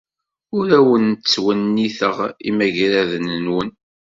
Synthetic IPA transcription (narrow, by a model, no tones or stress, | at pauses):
ʊɾæwənːt͡sːwənːiθəʁḭmæʝɾæðənənwən